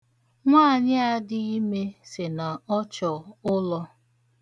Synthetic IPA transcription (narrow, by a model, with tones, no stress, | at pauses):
ŋʷaː˦˨ɲɪ˦a˦dɪ˦i˦me˦sɪ˨na˨ɔ˦t͡ʃɔ˨ʊ˦lɔ˦